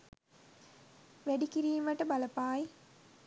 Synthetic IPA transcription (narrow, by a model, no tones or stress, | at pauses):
ʋæɖikiɾiːmʋaʈəbaləpaːj